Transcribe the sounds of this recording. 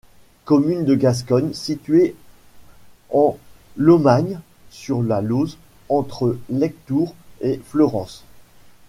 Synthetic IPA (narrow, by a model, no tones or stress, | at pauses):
kɔmynd̪əɡas̬kɔnsit̪ɥe | ɑ̃ | lɔmaɲ | syʁlaloz | ɑ̃t̪χəlɛk̚t̪uʁeflɔʁɑ̃s